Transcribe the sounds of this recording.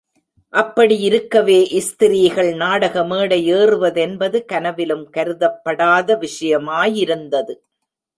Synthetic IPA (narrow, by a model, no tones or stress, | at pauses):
ʔɐpːɐɽiɪɾɯkːɐʋeːʔɪst̪ɪɾiːɣɐɭnaːɽɐɣɐmeːɽɐɪeːrɯʋɐðɛnbɐðɯkɐnɐʋɪlɯmkɐɾɯðɐpːɐɽaːðɐʋɪʂɐjɐmaːjɪɾɯnd̪ɐðɯ